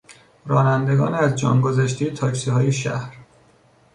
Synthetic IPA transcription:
rɒːnænd̪e̞ɡɒ̰ːnæzd͡ʒɒ̰ːŋɡozæʃt̪ʰijet̪ʰɒːcʰsihɒːjeʃæ̰hɾ

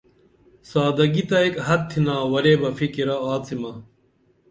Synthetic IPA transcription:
saːd̪ɐɡit̪ɐekɦɐtt̪ʰːinaːwɐɾebɐfikiɾɐaːt͡simɐ

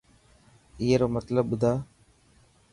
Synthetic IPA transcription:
iːeːɾoːmət̪ləbːʊd̪ʱaː

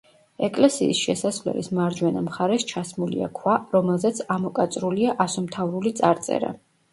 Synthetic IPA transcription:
ɛkʼlɛsḭːsʃɛsasvlɛ̰lismaɾd͡ʒwɛnamχaɾɛst͡ʃʰasmulḭa̰kʰwaɾɔmɛlˠzɛt̪sʰamɔkʼat̪sʼɾuliaʔasɔmt̪ʰavɾulit̪sʼaɾt̪sʼɛ̰ɾa̰

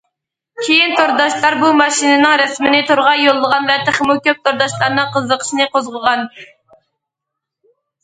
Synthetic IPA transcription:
kʲʰejint̪ʰoɾd̪ɑʃlˠɑɾbumɑʃinɨnɪŋɾɛsmɪnɪt̪ʰoɾʁɑjolˠːəʁɑnvɛt̪ʰɪχmukʲøp̚t̪ʰoɾd̪ɑʃlˠɑɾnɨŋqʰəzːəqʰə̥ʃnɨqozʁəʁɑn

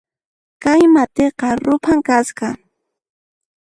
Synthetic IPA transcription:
kajmat̪eqɑɾʊpʰaŋkasqɑ

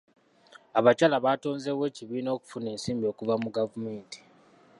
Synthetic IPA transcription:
aβacalaβato̞ːnze̞we̞ːciβiːno̞ːku̥fune̞ːnsiːmbio̞kuvamuɡavume̞ːnti̥

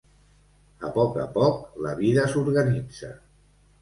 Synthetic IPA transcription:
ə̰pɔkə̰pɔkləβiðəsuɾɣənid͡zə

